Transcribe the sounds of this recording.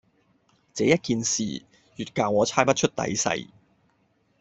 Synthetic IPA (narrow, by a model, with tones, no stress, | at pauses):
t͡sɛː˨˦jɐ˥t̚kiː˨˧nsḭː˨ | jyː˨t̚kaː˨wŋɔː˨˧t͡sʰaː˥jpɐ˥t̚t͡ʃʰɵ˥t̚t̪ɐ̰˨˥jsɐ̰˨˧j